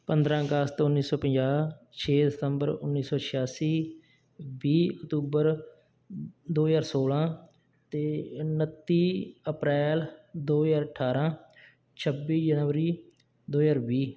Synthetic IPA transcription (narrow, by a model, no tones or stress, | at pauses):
pənd̪ɾãːəɡəst̪ːʊnːiːsɔːpəɲd͡ʒaː | t͡ʃʰeːd̪ɪsəmbəɾʊ̰nːiːsɔːt͡ʃʰɪjaːsiː | biːəkt̪uːbəɾ | d̪oːjaːɾsoːlãː | t̪eːnət̪ːiːəpɾɛːld̪oːjaːɾəʈʰːaːɾãː | t͡ʃʰəbiːd͡ʒənʋəɾiː | d̪oːjaːɾbiː